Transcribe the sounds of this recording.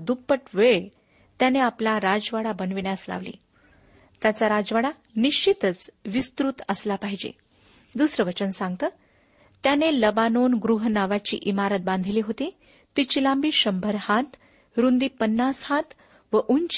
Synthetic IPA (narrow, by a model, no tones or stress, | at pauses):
d̪upːəʈʋeɭ | t̪janeaplaɾad͡zʋaɽabənʋiɳjasla̰ʋlḭː | t̪jat͡saɾad͡zʋaɽa | niɕt͡ɕit̪ət͡sʋist̪ɾut̪əslapaɦid͡ʑḛ | d̪usɾəʋət͡ɕənsãŋɡ̚t̪əː | t̪janeləbanonɡɾuɦnaʋat͡ɕḭːʔimaɾət̪̚bãnd̪ʱliːɦot̪i | t̪it͡ɕilãmbiːɕəmbʱəɾhat̪ | ɾund̪iːpənːashat̪ | ʋəʔuɲt͡ɕ